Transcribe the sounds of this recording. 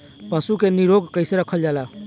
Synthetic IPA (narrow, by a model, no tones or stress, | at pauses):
pəsukeniɾoɡkəɪseɾəkʰəld͡ʒala